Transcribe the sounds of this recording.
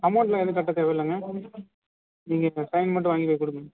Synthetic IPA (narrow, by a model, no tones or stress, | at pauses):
kɐmɐːɳʈlãːɛðɯkɐʈːɐt̪eːʋɐɪlːɐŋɡɐ | niːŋɡɐsɐɪnmɐʈ̬ːɯ̃ʋaːŋɡipɐːɪkːʊɽɯkː